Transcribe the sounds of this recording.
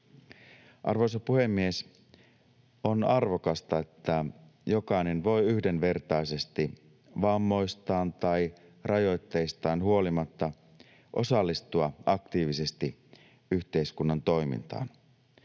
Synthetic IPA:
ʔɑ̰rʋo̞jsɑpuhe̞mːie̞s | o̞nɑrʋo̞kɑst̪ɑet̪ːæ | jo̞kɑjne̞nʋo̞jyhde̞nʋe̞rt̪ɑise̞st̪i | ʋɑmːo̞jst̪ɑːnt̪ɑj | rɑjo̞jt̪ːe̞jst̪ɑːnɦuo̞limɑt̪ːɑ | ʔo̞̰sɑlːist̪uɑɑkt̪iːʋise̞st̪i | yçt̪e̞iskunːɑnt̪o̞jmḭnt̪ɑ̰ːn

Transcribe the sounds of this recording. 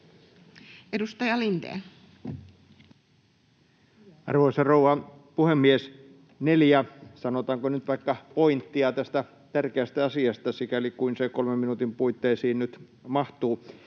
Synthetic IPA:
edust̪ɑjɑlint̪ḛː | ɑ̰rʋoisɑrouwʋɑ | puhemːies | neljæsɑnot̪ɑːŋkonyt̪ʋɑikːɑpoint̪ːiɑt̪æst̪æ | t̪ærkeæst̪æɑsiɑst̪ɑsikælikuinsekolmemminut̪impuit̪ːeːsiːnnyt̪ | mɑht̪uː

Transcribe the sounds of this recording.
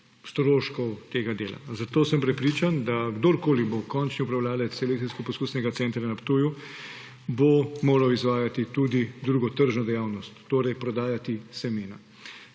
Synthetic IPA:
st̪ɾoːʃkɔwt̪eːɡad̪eːla̰zat̪oːsəmpɾɛpɾiːt͡ʃand̪aɡd̪oɾkoːlibokɔnt͡ʃniupɾawlaːlɛt̪sɛlek̚t̪iskɔpɔskuːsnɛɡat̪sɛnt̪ɾanapt̪uju | bomoːɾawizʋaːjat̪it̪ud̪id̪ɾuːɡɔt̪əɾʒnɔd̪ɛjaːwnɔst̪ːoːɾɛjpɾɔd̪aːjat̪isɛmeːna̰

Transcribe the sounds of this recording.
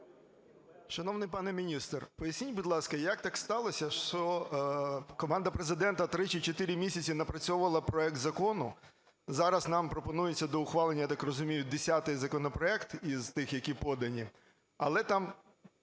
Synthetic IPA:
ʃɐnɔwnɪjpɑnɛmʲinʲist̪rpɔjɐsʲnʲinʲbʊd̪lˠɑskɐjɐk̚t̪ɑkst̪ɑlˠɔsʲɐʃt͡ʃɔ | kɔmɑnd̪ɐpɾezɪd̪ɛnt̪ɐt̪ɾɪt͡ʃit͡ʃɔt̪ɪɾʲɪmʲisʲɐt͡sʲinɐpɾɐt͡sʲɔʋʊʋɐlˠɐpɾɔɛk̚t̪zɐkɔnʊ | zɑɾɐznɑmpɾɔpɔnujet͡sʲːɐd̪ɔʊxʋɑlˠenʲːjt̪ɑkrɔzʊmʲijʊd̪esʲat̪ɪjzɐkɔnɔpɾɔɛkt̪iz̥t̪ɪxjɐkʲipɔd̪ɐnʲi | ɐlˠɛt̪ɑm

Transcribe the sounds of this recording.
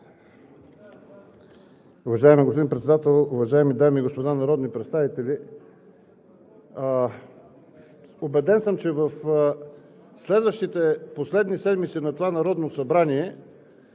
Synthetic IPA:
ʊvɐʒaɛmiɡospod̪inpɾɛt̪sɛd̪at̪ɛlˠʊvɐʒaɛmid̪amiːɡospod̪anɐɾɔd̪nipɾɛt̪st̪avit̪ɛli | obɛd̪ɛnsɤmt͡ʃɛvəf | slɛd̪vəʃt̪it̪ɛposlɛd̪nisɛd̪mit̪sinɐt̪ovanɐɾɔd̪nosɐbɾaniɛ

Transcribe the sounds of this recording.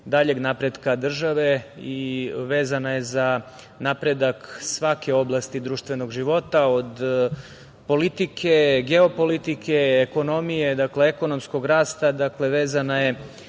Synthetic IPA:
d̪aʎe̞ɡnapɾe̞d̪kad̪r̩ʒaʋe̞iʋeːzanaje̞za | napɾe̞d̪aksʋake̞o̞blˠast̪id̪ɾuːʃt̪ʋe̞no̞ɡʒiʋo̞t̪ao̞d̪ | po̞lit̪ikʰe̞ɡeo̞po̞lit̪ikʰe̞ːko̞no̞mijed̪akleeko̞no̞msko̞ɡɾaːst̪ad̪akle̞ʋeːzanaje̞

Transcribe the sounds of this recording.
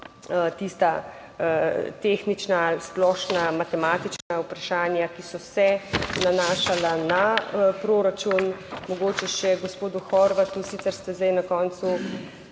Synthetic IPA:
ət̪ist̪a | t̪exnit͡ʃnasplɔːʃnamat̪ɛmaːt̪it͡ʃnaupɾaʃaːnjakisɔsɛnanaːʃalanapɾoːɾat͡ʃunmɔɡoːt͡ʃɛʃɛɡospoːd̪uxɔɾʋat̪usiːt̪ɛɾst̪ɛzd̪ajnakɔːnt̪su

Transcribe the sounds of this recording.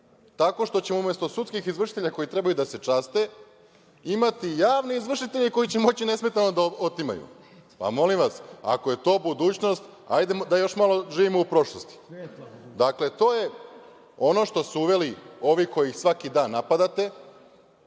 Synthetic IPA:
t̪ako̞ʃt̪o̞t͡ɕemoume̞st̪o̞sut̪skixizʋr̩ʃit̪eʎako̞jit̪ɾe̞bajud̪ase̞t͡ʂast̪e̞ | imat̪ijaːʋneizʋr̩ʃit̪e̞ʎiko̞jit͡ɕemo̞t͡ɕine̞sme̞t̪anod̪aot̪ima̰jṵ | pa̰mo̞limʋasa̰koje̞t̪o̞ːbud̪uːt͡ɕno̞st̪a̰jd̪ed̪ajo̞ʃmalo̞ʒiːʋimoupɾo̞ʃlˠo̞st̪i̥ | d̪akle̞t̪o̞ːje̞ | o̞no̞ʃt̪o̞suuʋe̞lio̞ʋiko̞jixsʋakid̪aːnːapad̪at̪e̞

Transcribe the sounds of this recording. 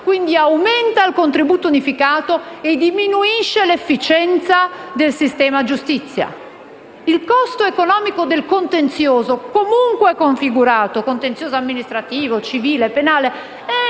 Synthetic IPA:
kwind̪iawment̪ailkont̪ɾibuːt̪ounifikaːt̪oed̪iminuiʃːelefːit͡ʃɛnt̪sad̪elsist̪ɛːmad͡ʒust̪it̪sːja̰ | ilkɔst̪oekonɔːmikod̪elkont̪ent̪sjoːzokomuŋkweɛkːoɱfiɡuɾaːt̪okont̪ent̪sjoːzoamːinist̪ɾat̪iːvot͡ʃiviːlepenaːle | ɛ

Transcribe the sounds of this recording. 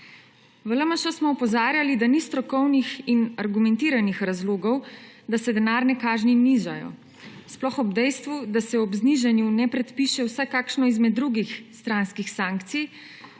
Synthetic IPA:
ʋələmaʃɔsmɔɔpɔzaːɾjalid̪anist̪ɾɔkɔwnixinaɾɡumɛnt̪iːɾanixɾazloːɡɔw | d̪asɛd̪ɛnaːɾnɛkaːʒniniʒa̰jɔ̰ | splɔxɔbd̪ɛjst̪ʋud̪asɛɔbzniʒɛnjunɛpɾɛt̪piʃɛwsɛkaːkʃnɔizmɛd̪ːɾuɡixst̪ɾanskixsaːŋkt̪sij

